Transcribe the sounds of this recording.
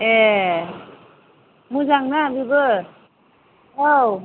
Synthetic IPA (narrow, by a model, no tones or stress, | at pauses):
ɛ | muzaŋnabibɯ | ow